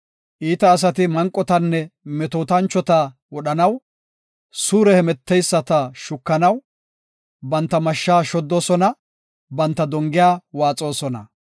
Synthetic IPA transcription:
ʔiːt̪ɐːs̬ɐt̪ɪmɐŋkʼːɔt̪ɐnːɛmɛt̪oːt̪ɐnt͡ʃːɔt̪a | wɔɗɐnɐw | suːɾɛhɛmɛt̪ːɛjsːɐt̪ɐʃʊkːɐnɐw | bɐnt̪ːɐmɐʃːaːʃɔd̪ːo̞ːsɔnɐ | bɐnt̪ːɐd̪ɔŋɡɪjaːwaːt͡sʼo̞ːsɔnɐ̰

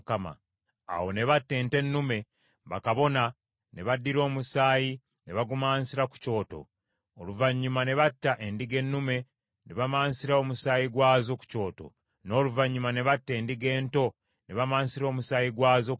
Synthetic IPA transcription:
kama̰ | a̰wo̞ne̞βatːe̞ːnte̞nːume̞ | βakaβo̞na | ne̞βadːiɾo̞ːmusaːji | ne̞βaɡumaːnsiɾaku̥co̞ːto̞̰ː | luvaɲːumane̞βatːaʔe̞ndiɡe̞nːume̞ | ne̞βamaːnsiɾaomusaːjiɡwaːzo̞ku̥co̞ːto̞̰ | no̞ːluvaɲːumane̞βatːe̞ːndiɡe̞ːnto̞ | ne̞βamaːnsiɾo̞ːmusaːjiɡwaːzo

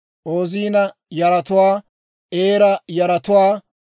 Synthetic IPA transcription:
ʔoːziːnɐ | jɐɾɐt̪ʊwaː | ʔeːɾɐjɐɾɐt̪ʊwaː

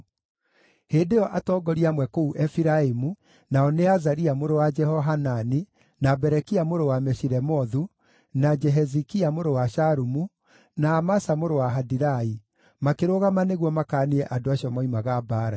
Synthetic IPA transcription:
heːdeɔʔatɔːɡɔɾiamwɛkouʔɛfiɾaemu | naɔneazaɾiamoɾowad͡ʒɛhɔɦanani | nabɛɾɛkiamoɾowamɛʃiɾɛmɔðu | nad͡ʒɛɦɛzikiamoɾowaʃaɾumu | naːmasamoɾowaɦadiɾai | makeɾoɣamaneɣwɔmakaːniɛʔadoaɕiɔmɔimaɣabaːɾa

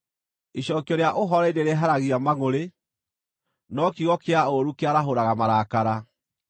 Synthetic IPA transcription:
iɕɔːkiɔɾeaʔoɦɔɾaideɾeɦaɾaɣiamaŋoɾe | nɔkiɣɔkeaoɾukeaɾaɦoɾaɣamaɾaːkaɾa

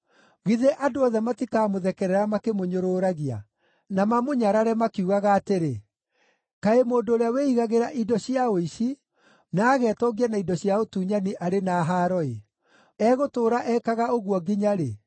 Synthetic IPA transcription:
ɣiðeʔadoɔðɛmatikaːmoðɛkɛɾɛɾamakemoɲoɾoːɾaɣia̰ | namamoɲaɾaɾɛmakiuɣaɣaːteɾe | kaemoːndoːɾeaweiɣaɣeɾaʔidɔɕiaoiɕi | naːɣɛːtɔɡianaidɔɕiaotuːɲaniʔaɾenaɦaɾɔe | ɛɣotoːɾaʔɛkaɣaoɣwɔɡiɲaɾe

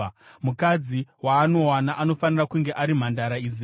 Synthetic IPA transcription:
mukad͡ziwaːno̞wanaʔano̞fanirakuŋɡe̞ʔaɾim̤andaɾaizi

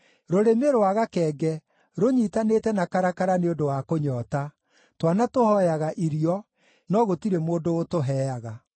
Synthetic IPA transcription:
ɾoɾemeɾoaɣakɛːɡɛ | ɾoɲitanetɛnakaɾakaɾaneondowakoɲɔːta | twanatohɔjaɣaʔiɾiɔ | nɔɣotiɾemoːndootoɦɛjaɣa

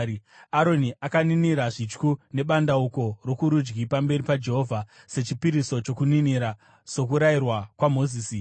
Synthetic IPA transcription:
aɾo̞niʔakaniniɾaʐit͡ʃkune̞ɓandauko̞ro̞kuɾud͡ʒɡipambe̞ɾipad͡ʒe̞ɦoːvʱa | se̞t͡ʃipiɾiso̞t͡ʃokuniniɾa | sok̬uɾairwakwamo̞ziːsi

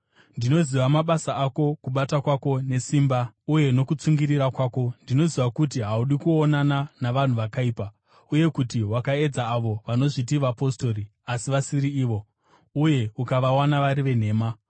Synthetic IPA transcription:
ndino̞ziʋamaɓasaako̞kuɓatakwako̞ne̞siːmbauje̞no̞kut͡suŋɡiriɾakwaːko̞ndino̞ziʋakutiɦauɗikuonananaʋan̤uʋakaiːpa | uje̞kutiwakae̞d͡zaːʋo̞ʋano̞ʐit̬iʋapo̞sto̞riasiʋasiɾiiːʋo̞ | uje̞ukaʋawanaʋaɾiʋe̞n̤e̞ːma

